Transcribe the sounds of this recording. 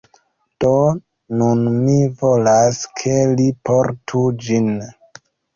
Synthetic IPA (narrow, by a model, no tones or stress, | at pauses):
d̥o | nunmivolaskʰelipoɾtʰud͡ʒin